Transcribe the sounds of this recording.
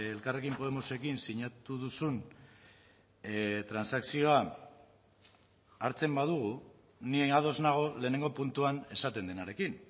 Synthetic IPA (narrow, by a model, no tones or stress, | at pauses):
elkare̞kimpo̞ð̞emose̞kinsiɲat̪uðusun | t̪ɾansaksio̞a | aɾt͡se̞mbað̞uɣ̞u | nieað̞o̞znaɣ̞o̞le̞ːne̞ŋɡo̞punt̪uane̞sat̪e̞nd̪e̞naɾe̞kin